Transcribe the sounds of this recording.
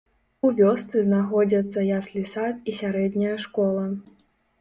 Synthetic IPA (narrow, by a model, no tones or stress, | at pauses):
uvʲɔst̪sɨznaxɔd͡zʲɐt̪sːɐjaslʲisat̪isʲaɾɛd̪ʲnʲɐjɐʂkɔlˠɐ